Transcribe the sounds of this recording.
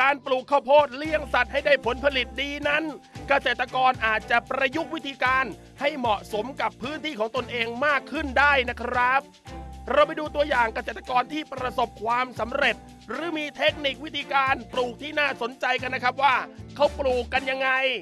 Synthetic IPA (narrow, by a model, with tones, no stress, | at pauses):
kaː˧npluː˨˩kʰːa˧˥˩wpʰoː˥˩t̪̚li˥˩əŋsa˨˩t̪̚ha˥˩jdaː˥˩jpʰo˩˦npʰa˧li˨˩t̪̚diː˧na˦˥nka˧seː˨˩t̪ːɾa˧kɔː˧nʔaː˨˩t̪̚t͡ɕa˨˩pɾa˧ju˦˥k̚wt̪ʰiː˧kaː˧n | ha˥˩jmɔ˨˩ʔso˩˦mka˨˩pʰːɯː˦˥nt̪ʰiː˥˩kʰɔː˩˦ŋt̪o˧nʔeː˧ŋmaː˥˩kʰːɯ˥˩ndaː˥˩jna˦˥kʰɾa˦˥p̚ɾa˧wpa˧jduː˧t̪u˧ɐjaː˨˩ŋka˧seː˨˩t̪̚ːa˧kɔː˧nt̪ʰiː˥˩pɾa˧so˨˩p̚kʰwaː˧msa˩˦mɾe˨˩t̪̚ | ɾɯː˩˦˥miː˧t̪ʰe˦˥k̚ni˨˩k̚wi˦˥t̪ʰiː˧kaː˧npluː˨˩k̚t̪ʰiː˥˩naː˥˩so˨˩˦nt͡ɕa˧jka˧nːa˦˥kʰa˦˥p̚waː˥˩kʰa˦˥wpluː˨˩kːa˧nja˧ŋːa˧j